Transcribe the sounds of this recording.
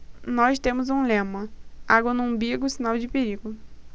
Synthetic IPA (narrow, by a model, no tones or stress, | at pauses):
nɔst̪ẽmʊzũlẽmɐ̃aɡwɐnũbiɡʊsinawd͡ʒɪpeɾiɡʊ